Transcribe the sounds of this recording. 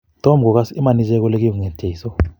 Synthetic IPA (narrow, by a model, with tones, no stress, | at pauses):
tɔ˦m˨k̬ɔ˨k̬a˦si˦ma˨ni˦zɛ˦k̬ɔ˦le˦k̬i˦ku˨ŋɛ˨d̥ʱe˨i˨sɔ˦